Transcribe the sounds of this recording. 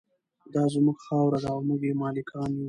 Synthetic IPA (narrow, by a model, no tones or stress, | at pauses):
d̪ɑzmuɡxɑwɾad̪aʊmuɡemɑlɪkʰɑni